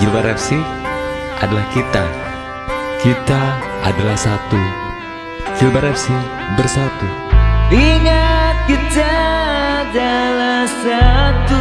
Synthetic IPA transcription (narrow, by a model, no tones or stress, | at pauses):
d͡ʒilbaɾɛfsi | ʔadalahkit̪a | kit̪aadalahsat̪u | d͡ʒilbaɾɛfsi | bərsat̪u | iŋat̪̚kit̪aadalahsat̪u